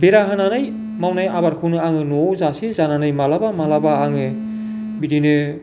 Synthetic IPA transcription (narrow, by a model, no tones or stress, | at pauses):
beɾaɦananaj | mawnajaβaɾkʰɯwnɯaŋɯnozasezananajmalabamalabaːŋɯ | bidinɯ